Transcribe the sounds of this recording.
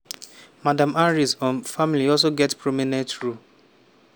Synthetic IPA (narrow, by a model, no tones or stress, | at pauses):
madãmaɹisɔ̃nfamiliɔls̬oɡɛtpɹominɛ̃tɾu